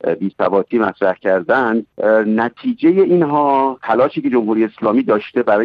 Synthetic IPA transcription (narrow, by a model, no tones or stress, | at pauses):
biːsæbɒːt̪ʰiːmæt̪ʰɾæhcʰæɾd̪ænd̪næt̪ʰiːd͡ʒeje̞ʔinɦɒːt̪ʰælɒːʃiːcʰe̞d͡ʒo̞mhuːɾijeeslɒːmiːd̪ɒːʃt̪e̞bæɾɒː